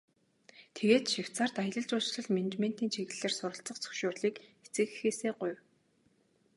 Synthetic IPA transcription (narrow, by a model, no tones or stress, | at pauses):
t̪ʰeɣeːt̪ʃiw̥tt͡saːrt̪ajə̆ɮə̆ɮt͡ɕʊːt͡ɕɮə̆ɮmen̆t͡ɕmen̥t̪iːnt͡ɕʰiɣɘ̆ɮeːrsʊɾə̆ɬt͡sə̆qt͡sʰɵ̥kʃʊːrɮiːket͡sɘ̆ɣɘxeːseːɢʊjw